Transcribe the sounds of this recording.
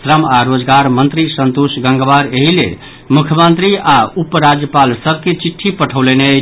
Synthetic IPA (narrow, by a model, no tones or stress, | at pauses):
sɾəmaɾod͡ʒɡaɾmənt̪ɾisənt̪usɡə̃ŋɡbaɾeɦilḛ | mukʰjəmənt̪ɾiaupəɾad͡ʒjəpalsəb̚ʱket͡ʃiʈʰːipəʈʰəwleneə